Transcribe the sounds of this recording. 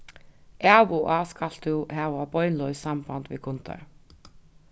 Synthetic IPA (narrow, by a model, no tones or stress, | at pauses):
ʔæːʋuʔɑːskʰɑlt̪ʉhæːʋɑːbɔʏnlɔʏsɑmbɑnd̪ʋḛːkʰʊnt̪ʰə̰ɹ